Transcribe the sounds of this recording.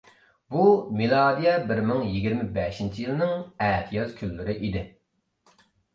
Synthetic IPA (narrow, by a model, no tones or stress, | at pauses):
bumilˠɑːd̪ijɛbɪɾmɪŋjiɡʲiɾmɪbɛʃint͡ʃʰijilˠɨnɨŋɛːt̪ʰijɑzkʲʰylːyɾɪʔid̪ɪ